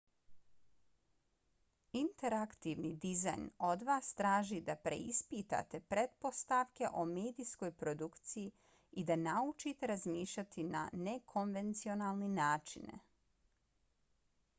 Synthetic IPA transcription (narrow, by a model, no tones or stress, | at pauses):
int̪e̞ɾakt̪iʋnid̪iza̰jno̞d̪ʋaːst̪ɾaːʒid̪apɾe̞̰ispit̪a̰t̪e̞pɾe̞t̪po̞st̪aʋke̞ʔo̞meːd̪isko̞jpɾo̞d̪ukt̪siji | id̪anaut͡ʃit̪e̞ɾazmiːʃʎat̪ina̰ne̞kʰo̞nʋe̞nt̪sio̞naːlˠninaːt͡ʃḭn̰